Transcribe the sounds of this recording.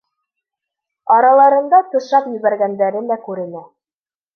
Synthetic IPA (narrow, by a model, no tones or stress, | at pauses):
ɑɾɑlˠɑɾɤ̆nd̪ɑt̪ɤ̆ʃɑpjɵ̆βæɾɡænd̪æɾɘnækʉɾɘ̆næ